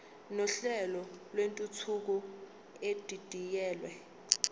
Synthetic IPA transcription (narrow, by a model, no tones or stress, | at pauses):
nɔɬɛlɔlwentʼut͡sʰuk̬u | ed̥ʱid̥ʱijɛːlwɛ